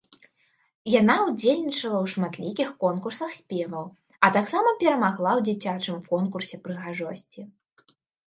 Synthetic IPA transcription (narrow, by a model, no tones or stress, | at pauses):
janaud͡zʲelʲnʲit͡ʂɐlˠɐwʂmat̪lʲikʲixkɔnkursɐxsʲpʲɛvɐw | ɐt̪aksamɐpʲɛɾɐmaɣlˠawd͡zʲit͡sʲat͡ʂɨmkɔnkursʲɛpɾɨɣaʐɔsʲt͡sʲi